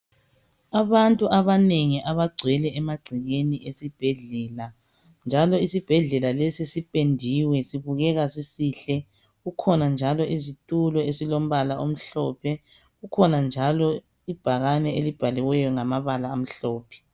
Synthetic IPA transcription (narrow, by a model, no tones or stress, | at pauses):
aβantʼuʔaβaneŋiʔaβaɡ͡ǀʱwɛlɛʔɛmaɡ͡ǀʱiɣeniʔesib̥ʱɛɮɛːla | nd͡ʒʱalɔisib̥ʱɛɮɛlalesisipʼendʱiwɛsiβuɣɛɣasisiːɬɛ | ɣukʰɔnand͡ʒʱalɔʔizitʼulɔesilom̩βalaʔom̩ɬɔːpʰɛ | ɣukʰɔnand͡ʒʱalɔ | ib̥ʱaɣanɛelib̥ʱalɛwɛjɔŋamaβalaːm̩ɬɔːpʰɛ̥